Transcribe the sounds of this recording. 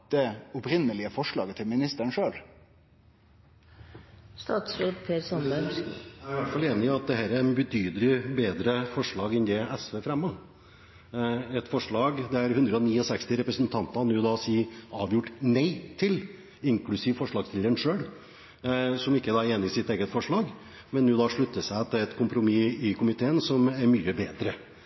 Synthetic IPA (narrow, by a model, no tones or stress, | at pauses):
d̪̥ɛʊpɾɪnːəlɪəfɔʂlɭɑːɡət̪ʰɪlmɪnɪst̪əɳʂøːl | st̪ɑːt̪sɾoːd̪pʰeːɾsɔnəææɾʋæʈfɑleːnɪɪɑt̪̚d̪ɛɦæːɾæɾnbət̪ʰyːd̪əlɪbeːd̪ɾəfɔʂɭɑːɡɛnd̪ɛɛsʋeːfɾɛmːə | ɛt̪fɔʂɭɑːɡd̪ɛæɾhʉnd̪ɾəɔniːɔsɛkst̪ɪɾɛpɾəsənt̪ʰɑnt̪ɑnʉːd̪ɑsiːɑːʋjʊʈːnæɪt̪ʰɪl | ɪŋklʉsiːʋəfɔʂɭɑːɡsɪləɾəɳʂøːl | sɔmɪkːəd̪ɑːæɾeːnɪɪsɪt̪eːɡət̪fɔʂɭɑːɡ | mɛnːʉːd̪ɑʂɭʉt̪ːəʂæɪt̪ʰɪlɛt̪kʊmpɾʊmiɪkʰʊmɪt̪ʰeːənsɔmæɾmyːəbeːd̪ɾə